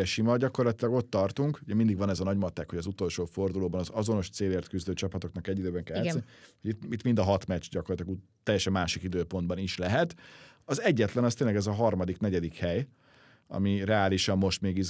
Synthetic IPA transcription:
ɛʃimɒɟɒko̞rlɒt̪ilɒɡo̞t̪ːɒrt̪uŋkuɟɛmind̪iɡvɒnɛzɒnɒɟmɒt̪ːɛkho̞ɟɒzut̪o̞lʃoːfo̞rd̪uloːbɒnɒzɒzo̞no̞ʃt̪seːleːrt̪kyzd̪øːt͡ʃɒpɒt̪o̞knɒkɛɟːid̪øːbɛŋkɛlsɛnhoɟit̪it̪ːmind̪ɒɦɒt̪mɛt͡ʃɟɒkorlt̪ilɒɡu | t̪ːɛjːɛʃɛmːaːʃikid̪øːpo̞nd̪bɒniʃlɛɦɛt̪ | ɒzɛɟːɛt̪lɛnɒst̪eːnlɛɡɛzɒɦɒrmɒd̪iknɛɟɛd̪ikhɛj | ɒ̰mirɛaːliʃɒmːo̞ʃt̪meːɡiz

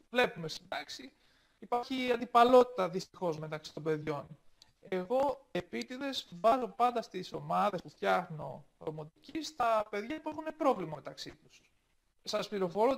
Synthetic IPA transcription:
vle̞pume̞st̪id̪ɐksi | ipɐɾçiɐnd̪ipɐlo̞t̪i̥t̪ɐðist̪ixo̞zme̞t̪ɐksi̥t̪o̞mbe̞ðʝo̞n | e̞ɣo̞e̞pit̪iðe̞zvɐzo̞pɐnd̪ɐst̪iso̞mɐðe̞spuft̪çɐxnoɾomo̞t̪icist̪ɐpe̞ðʝɐpue̞xune̞pɾo̞vlimɐme̞t̪ɐksit̪u̥s | sɐspliɾo̞fo̞ɾo

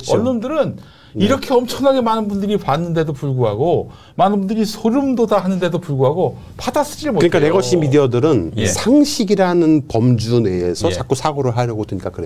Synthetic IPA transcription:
ʌnːondɯɾɯn | iɾʌkʰe̞ʌmt͡ɕʰʌŋaɡe̞manɯnbundɯɾipanːɯnde̞dopuɭɡuɦaɡo | manɯnbundɯɾisʰoɾumdodaɦanɯnde̞dopuɭɡuɦaɡo | pʰadas͈ɯ̥d͡ʑiɭmoɯɲk͈aneɡʌɕʰinmideʌdɯɾɯnsʰaŋɕʰiɡiɾanɯnpʌmd͡ʑune̞ːsʰʌt͡ɕak͈osʰaɡoɾɯɭɦaɾjʌɡodweɲik͈akɯɾe

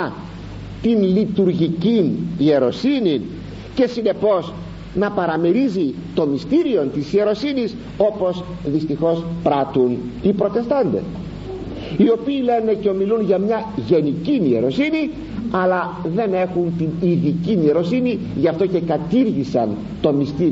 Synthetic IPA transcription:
t̪inlit̪uɾʝicinie̞ɾo̞sinin | ce̞sine̞po̞s | nɐpɐɾɐmeɾizi | t̪o̞mist̪iɾio̞nt̪isie̞ɾo̞sinis | o̞po̞s | ðist̪ixo̞spɾɐt̪unipɾo̞t̪e̞st̪ɐnd̪e̞̰s | io̞piːle̞ne̞ceo̞milunʝɐmɲɐʝe̞nicinie̞ɾo̞sini | ɐlɐ | ðe̞ne̞xunt̪iniðicinie̞ɾo̞sini | ʝɐft̪o̞ce̞kɐt̪iɾʝisɐn | t̪o̞mist̪iɾi

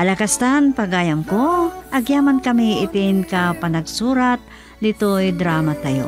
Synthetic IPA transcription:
ʔɐlɐkast̪anpɐɡaːjɐmkoʔɐɡjaːmankɐmiʔɪt̪ɪnkapɐnɐɡsuːɾat̪̚ | d̪ɪt̪ojd̪ɾaːmat̪ɐjo̰

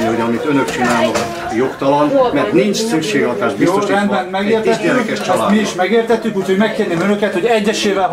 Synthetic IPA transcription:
niho̞ɟɒmit̪ønøkt͡ʃinaːnɒɦ | jokt̪ɒlɒnmɛrt̪nint͡ʃsykʃeːɡɒt̪aːʃt̪ioːɛnd̪bɛnmɛɡeːrt̪ɛt̪ːykɛt͡ʃaːmiiʃmɛɡeːrt̪ɛt̪ːykuːcʰho̞ɟmɛkːeːrneːmønøkɛt̪ho̞ɟɛɟːɛʃeːvɛl

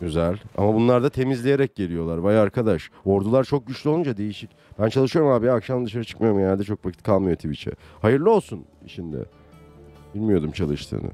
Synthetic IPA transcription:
øzɛlʲa̰mabunlˠaɾd̪at̪ʰe̞mizlʲe̞je̞ɾɛc̚ɟe̞lʲijo̞lˠaɾvajaɾkʰad̪aʃo̞ɾd̪ulˠaɾt͡ʃʰo̞k̚ɟyt͡ʃlʲyolˠund͡ʒad̪e̞jiʃic | b̥ænt͡ʃʰalˠɯʃɯjo̞ɾumaːbijakʃamˠad̪ɯʃaɾat͡ʃʰɯ̥kmajoɾumɟenælʲd̪ɛt͡ʃʰo̞kvacʰit̪̚kʰalˠmajo̞t̪ʰibit͡ʃʰɛ̰hajɯɾlˠio̞lˠsuniʃind̪ɛ̰ | bilʲmijo̞d̪umt͡ʃʰalˠɯʃt̪ʰɯ̰ːnɯ̰

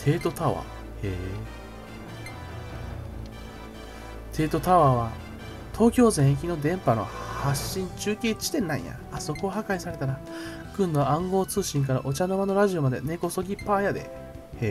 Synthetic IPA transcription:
t̪ʰe̞ːt̪o̞t̪aβa̰ | e | t̪ʰe̞ːt̪o̞t̪aβaːβa | t̪ʰo̞ːkʲo̞ːzẽɰ̃kʲinod̪ẽ̞mpano̞̰haɕĩɲ̟t͡ɕɨːkʲeːt͡ɕi̥t̪ẽ̞nːã̰ḭ̃j̰a̰ːso̞ko̞ɦakaisaɾe̞t̪aɾa | kɯ̟̃nːo̞ãŋɡo̞ːt͡sɨːɕĩŋk̬aɾaʔo̞t͡ɕanoβano̞ɾaʑio̞mad̪e̞̰ne̞ko̞so̞ɡʲipaːjad̪e̞̰ | e

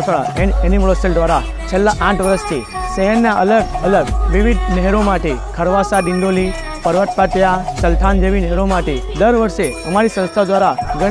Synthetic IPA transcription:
səɭa̰eeniməɭoseld̪ʋaɾa | t͡ʃʰelːaʔãʈʰʋəɾəst̪ʰi | səɦɛɾnaʔə̰ləɡələɡʋiʋid̪nɛɦɾomaʈekʰəɾʋasaɖɪ̃ɳɖoli | pəɾʋət̪̚pat̪jasəlt̪ʰand͡ʒeʋinɛɦɛɾomaʈed̪əɾʋəɾʃeəmaɾisə̃ñst̪ʰad̪ʋaɾaɡə

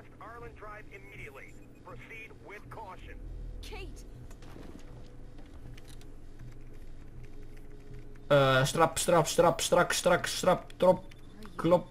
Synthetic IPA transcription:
staɹlˠə̃ntʰɹaɪbɪmiɾiɨtˡlḭ | pʰɹ̥osid̚wɪð̥kʰɔʃɨ̃nkʰeɪt | st̪ɾapst̪ɾapst̪ɾapst̪ɾakst̪ɾakst̪ɾap̚t̪ɾɔp | kʰlɔp

